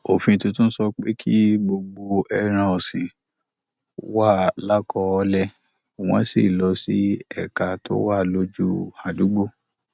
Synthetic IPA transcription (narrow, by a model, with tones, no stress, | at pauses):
o˨fĩ˧tũ˧˦tũ˦n̩˦sɔ˧k͡pe˦kʰi˦bo˧ɡ͡bo˧ɛ˧ɾ̃ã˧ɔ˨sĩ˨˦ | wa˦˨la˦kɔ˧ɔ˧˦lɛ˦˨ | w̃ɔ̃˨˦si˨lɔ˧˦si˦ɛ˦˨ka˨tʰo̰˦wa˦˨lo˦d͡ʒu˦a˨du˨˦ɡ͡bo˦˨